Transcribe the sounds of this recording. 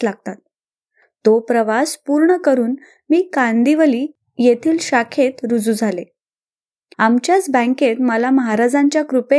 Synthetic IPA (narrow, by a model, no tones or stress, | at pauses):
laɡ̚t̪at̪̚ː | opɾəʋaspuɾɳəkəɾuːn | miːkand̪iʋəliː | jet̪ʰiːlɕakʰet̪ɾud͡zuːd͡zʱale | amt͡ɕjat͡sbə̃ŋket̪məlaməɦaɾad͡zaɲt͡ɕjakɾupe